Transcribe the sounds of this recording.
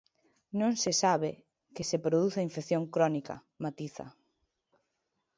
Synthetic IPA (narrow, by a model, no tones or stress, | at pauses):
nõŋsɪsaβe | kɪsepɾoðuθɐiɱfekθjoŋkɾɔnikɐ̰ | mat̪iθɐ̰